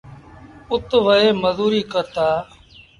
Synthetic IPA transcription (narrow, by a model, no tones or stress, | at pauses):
ʊt̪ʋəeːməzuːɾiːkəɾt̪aː